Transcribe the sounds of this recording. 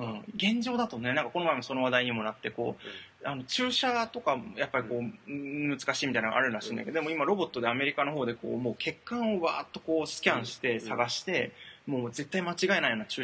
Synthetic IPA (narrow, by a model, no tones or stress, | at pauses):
ɯ̟̃ːɡẽ̞ɲ̟d͡ʑo̞ːd̪at̪omnːe̞nãŋkḁko̞no̞maemaso̞no̞β̞ad̪aiɲ̟imo̞nat̪ːe̞ko̞̰ːano̞t͡ɕɨːɕat̪o̞kajapːaɾʲiko̞ːmɯ̟t͡sɨ̥kaɕiːmʲit̪ainaɡa̰a̰ɾɯ̟ɾaɕĩna̰ked̪d̪emoimaɾo̞bo̞t̪ːo̞d̪e̞ame̞ɾʲikano̞ɦo̞ːd̪e̞ko̞̰ːmo̞ːkʰe̞kːãɰ̃o̞βa̰ːt̪ːo̞ko̞ːsɨ̥kʲãɰ̃ɕi̥t̪e̞saɡaɕi̥t̪e̞mo̞ːze̞t̪ːaimat͡ɕiɡae̞naijoːnat͡ɕɨː